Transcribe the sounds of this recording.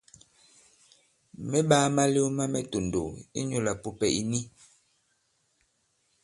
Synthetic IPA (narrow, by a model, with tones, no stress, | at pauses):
mɛ˦ɓaː˦ma˦le˦u˦ma˦mɛ˦to˨ndo̰˨i˦ɲo˦la˨pu˦pɛ˨ʔi˨ni˦